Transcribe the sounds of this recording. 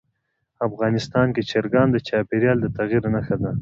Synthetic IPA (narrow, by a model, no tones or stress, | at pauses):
afɣɑnɪst̪ɑnket͡ʃeɾɡɑnd̪ət͡ʃɑpeɾjɑld̪ət̪aɣiɾnaxad̪a